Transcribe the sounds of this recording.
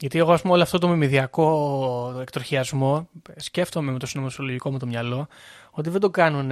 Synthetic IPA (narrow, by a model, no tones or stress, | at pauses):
ʝɐt̪ie̞ɣo̞ɐspumeoloɐft̪o̞t̪o̞mimiðiɐko̞ | ekt̪oçiɐzmo̞sce̞ft̪o̞memet̪osinomɐt̪soloʝikomut̪o̞mɲɐlo̞o̞t̪iðe̞d̪okɐnun